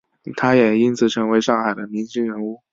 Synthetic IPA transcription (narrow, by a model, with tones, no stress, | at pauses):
t̪ʰa˥jɛ˨˩i˥nt͡sʰɹ̩˨˩ʈ͡ʂʰɤ˧˥ŋwe˧˥ɪʂɑ˥˩ŋxa˨˩ɪd̪ə˦mi˧˥nt͡ɕi˥ŋɻə˧˥nu˥˩